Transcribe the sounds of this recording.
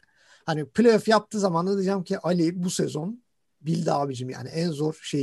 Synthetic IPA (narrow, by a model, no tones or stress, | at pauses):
haniplʲejofjap̚t̪ʰɯːzamand̪ad̪ɯd͡ʒamcʰiʔalʲibusɛzo̞n | bilʲd̪aabid͡ʒimja̰ːniʔænzo̞ɾʃe